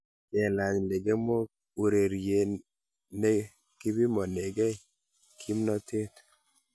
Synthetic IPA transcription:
ɛ˨la˨ɲle˨ɡe˦mo˦ | u˨ɾe˨ɾje˨ | ne˦ | ki˦bi˦mɔ˨ne˨ɡɛ˦ | kʰi˦mnɔ˦te˦t̪

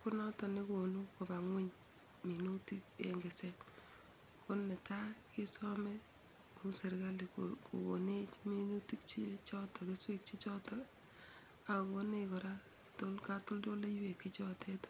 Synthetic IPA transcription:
kʊ˦nɔ˦tɔ˨ne˦ko˨nu˦ko˨ba˨ŋwi˦ɲ | mi˨nu˦ti˦k̚ḛ˨ŋɡe˨se˦ | kʰo˦nːe˨ta˦kɪ˦sɔ˦me˦ | mu˦se˨ɾka˦li˨kʰo̰˨wo̰˨ne˦t͡ʃmi˦nu˦ti˦k̚t͡ʃi˦t͡ʃɔ˦tɔ˨kɪ˦swe˦k̚t͡ʃi˦t͡ʃɔ˦tɔ˨ | a˨ko˦ne˨kɔ˨ɾa | to˦lka˦tʊ˦ldo˦le˦jwe˨kːi˦t͡ʃɔ˦tʰe˦t

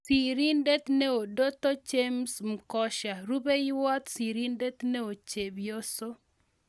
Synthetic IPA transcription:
si˨ɾi˦nde˦t̪ne˦o˨do˦t̪o˦t͡ʃe˦msm̩˨kɔ˦ʃa˨ɾu˦be˦jwa˦t̪si˨ɾi˦nde˦t̪ne˦o˨t͡ʃe˨bjo˦so˦

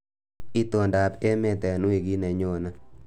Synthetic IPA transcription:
i˦to˨nda˨pe˦me˦˨tɛ˨nu˦e˨ɡi˦nɛ˨ɲo˨na˦

